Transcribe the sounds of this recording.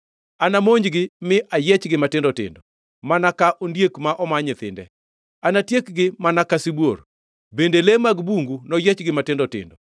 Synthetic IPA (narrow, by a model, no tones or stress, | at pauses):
anamoɲd͡ʒɡɪmɪʔajɛt͡ʃɡɪmatɪndɔtɪ̰ndɔ | manakaʔondjekmaʔɔmaɲɪt̪ɪ̰ndɛ̰ | anatjekɡɪmanakasibwor | bendelemaɡbuŋɡunɔjɛt͡ʃɡɪmatɪndɔtɪ̰ndɔ